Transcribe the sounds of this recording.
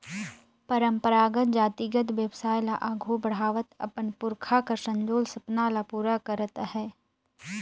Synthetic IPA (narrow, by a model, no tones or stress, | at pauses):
pəɾə̃mpəɾaːɡət̪̚d͡ʒaːt̪iɡət̪ʋjəbsaːjlaʔaːɡʱubəɽ̤aːʋət̪ɐ̰pənpʊɾkʰakasə̃ɲd͡ʒoːlsɐpnaːlapuːɾakəɾət̪hɛː